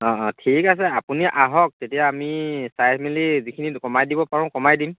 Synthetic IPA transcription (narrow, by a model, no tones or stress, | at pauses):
ɔɔtʰikasɛapuniʔaɦɔk̚tetijaːmisajsʰmilizikʰinikɔmajdibɔpaɹʊ̃kɔmajdim